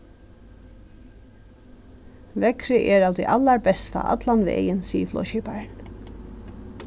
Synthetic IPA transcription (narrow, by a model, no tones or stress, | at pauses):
ʋɛkɾɪʔɛɾɑːʋd̪ɛjʔalːaɹbɛst̪a̰ʔa̰t̪lanʋḛːjənsiːəflɔ̰ʃɛbaɹn